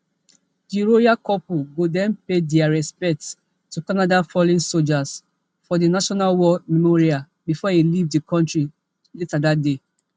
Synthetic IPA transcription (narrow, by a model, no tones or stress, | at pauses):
diɹojakɔpuɡodɛ̃npedɛaɹɛspɛk̚t | tːukanadafɔlĩnsod͡ʒas | fɔdinaʃɔnalwɔmɛmɔɹia | bifɔilivdikʰɔ̃ntɹi | letadatde